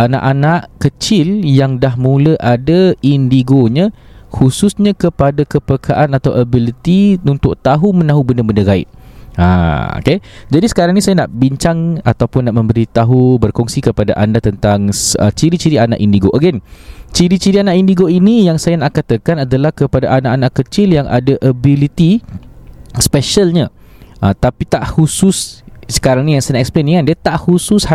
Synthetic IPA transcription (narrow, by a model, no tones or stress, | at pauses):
ʔana̰ʔanaʔkət͡ʃɪljaŋdaɦmũləʔadaindiɡoɲã | hususɲãkəpadakəpəkʰaʔanat̪awʔabilit̪iunt̪ʊk̚t̪aɦumə̃nãɦubəndabəndaɡaɪ̰t̪̚ã̰o̰ked͡ʒadisə̥kaɾaŋnĩsajanaʔbiɲt͡ʃaŋa̰t̪awpʊnːaʔmə̃mbəɾit̪aɦubərkɔŋsikəpada̰ʔandat̪ənt̪aŋsə̰t͡ʃiɾit͡ʃiɾiana̰ʔindiɡoʔaɡɛnt͡ʃiɾit͡ʃiɾianaʔindiɡoinijaŋsajanaʔkat̪akanadalahkəpadaʔanaʔanaʔkət͡ʃɪljaŋʔa̰daʔəbilit̪i | spɛʃəlɲa | ʔat̪apit̪aʔhusʊssə̥kaɾaŋnĩjaŋsanaʔɛkspleniŋandiat̪aʔhusʊsha